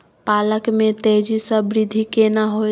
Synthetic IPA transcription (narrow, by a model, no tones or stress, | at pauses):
paləkmet̪eɦd͡ʒisəbɾid̪ʱikenaɦo